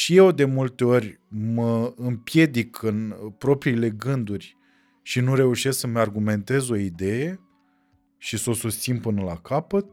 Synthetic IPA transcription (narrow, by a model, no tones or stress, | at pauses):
ʃije̞wd̪e̞mult̪e̞o̞rʲ | məɨmpje̞d̪ikʰɨnpɾo̞pɾiːle̞ɡɨnd̪urʲ | ʃinuɾe̞uʃe̞sksəməarɡume̞nt̪e̞zo̞id̪e̞je̞ | ʃiso̞sust̪sinpɨnəla̰kapət̪̚